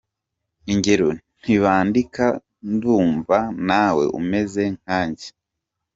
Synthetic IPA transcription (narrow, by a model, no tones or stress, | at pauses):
iɲɟe̞ɾon̥iβaːndika | nduːɱvanaːwe̞̰ʔṵme̞ze̞ŋ̥aːɲɟe̥